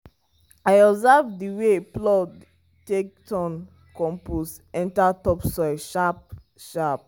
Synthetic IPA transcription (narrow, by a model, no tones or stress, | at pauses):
aɪɔbzɛvdiweplɔd | tek̚tʰɔ̃n | kɔ̃mpus | ɛ̃ntatɔpsɔɪʃap̚ | ʃap̚